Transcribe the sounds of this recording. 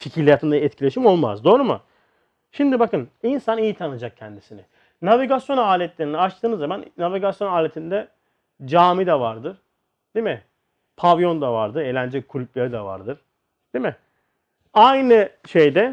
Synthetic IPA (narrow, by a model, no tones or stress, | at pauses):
ficʰiɾlʲijat̪ɯnd̪aɛt̪cʰilʲe̞ʃimo̞lˠma̰zd̪o̞ːɾumṵ | ʃimd̪ibakɯninsanijit̪ʰanɯd͡ʒak̚cʰɛnd̪isinɪ | naviɡasjo̞naːlʲɛt̪lʲeɾinɛat͡ʃt̪ʰɯːnɯzamannaviɡasjo̞naːlʲet̪ʰind̪ɛ | d͡ʒaːmid̪ɛvaɾd̪ɯɾ̥ | d̪̥emɪ | pʰavjo̞nd̪avaɾd̪ɯɾeːlʲænd͡ʒɛkʰulʲyp̚ʲlʲeɾid̪ava̰ɾd̪ɯɾ̥ | d̪̥emɪ | ajnɯʃejd̪ɛ